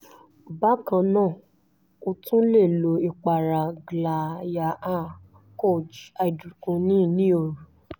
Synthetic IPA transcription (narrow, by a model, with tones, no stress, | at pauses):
ba˦kã˧˨nãː˦˨ | o˧tũ˦le˦˨lo˨˦i˨k͡pa˨ɾa˨ɡla˨ja˨ʔa˦˨ | kɔ˦˨d͡ʒa˧i˨du˨kũ˧nĩ˦˨nĩ˦o˧˨ɾu˨